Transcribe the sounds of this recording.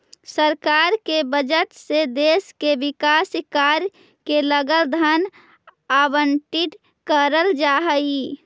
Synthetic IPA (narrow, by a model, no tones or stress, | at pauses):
səɾkaːɾkebəd͡ʒəʈ̪sed̪eːskeʋɪkaːsɪkaɾ | keləɡəld̪ʱən | abəɳʈɪʈ̪ | kəɾəld͡ʒaɦəi